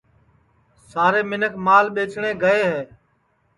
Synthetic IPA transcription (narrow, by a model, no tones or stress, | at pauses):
saːɾeːmɪnəkʰmaːlɓeːt͡ʃɳeːɡəeːɦeː